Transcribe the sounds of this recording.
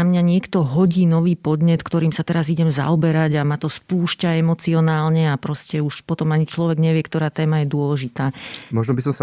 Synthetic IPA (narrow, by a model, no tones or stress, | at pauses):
amɲaɲɪɛkt̪ɔɦɔɟiːnɔʋiːpɔd̪ɲɛt̪kt̪ɔɾiːmsat̪ɛɾaziɟɛmza̰ɔbɛɾaɟamat̪ɔspuːʃcaɛmɔt͡siɔnaːlɲɛapɾɔscɛuʃpɔt̪ɔmaɲit͡ʃlɔʋɛɡɲɛʋɪɛkt̪ɔɾaːt̪ɛːmajɛd̪ʊɔlɛʒit̪aːmɔʒnɔbisɔmsa